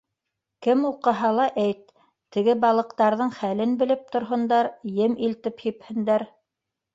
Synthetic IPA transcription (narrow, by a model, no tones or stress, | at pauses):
kɘmuqɤ̆ɦɑlˠɑʔæjt̪ː | ɘ̆ɡɘbɑlˠɤ̆qt̪ɑɾðɤɴχælɘnbɘ̆lɘp̚t̪ŏɾɦɤ̆nd̪ɑɾjɘmilt̪ɘphiphɘ̆nd̪æɾ